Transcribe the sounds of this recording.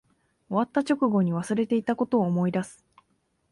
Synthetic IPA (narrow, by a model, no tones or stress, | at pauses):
o̞βat̪ːat͡ɕo̞kɯ̟ɡo̞ɲ̟iβ̞asɨɾe̞t̪e̞it̪ako̞t̪o̞ːmo̞id̪asɨ̥